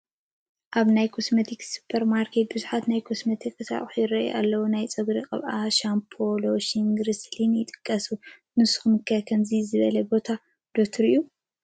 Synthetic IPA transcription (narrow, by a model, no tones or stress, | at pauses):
ʔaβnajkʰosmɐt̪ʰiksu̥pʰɐɾmaɾkʰet̪̚bɨzuħat̪najkʰosmɐt̪ʰikʼɨsa̰χʼħujɪɾɐʔḭa̰lːɐwunajt͡sʼɐɡɾikʼɐ̰βʔaʃampʰoloʃiŋɡɾɨslinjɪt̪ʼɨ̥kʼːɐsu | nɨsu̥xumɨkʰːɐkʰɐmzizɨβɐlɐbo̞t̪ʰa | d̪̥okt̪ʰɨɾijːu